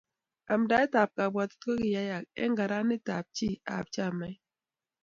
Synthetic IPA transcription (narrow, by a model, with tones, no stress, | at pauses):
a˨mda˦ɛ˦ta˨p̚ka˨bwa˨ttko˦ki˨ja˦ja˨k̚ɛ̰˦ŋɡa˨ɾa˦ni˦ta˨p̚t͡ʃi˦a̰˨p̚t͡ʃa˦˨mɛ˦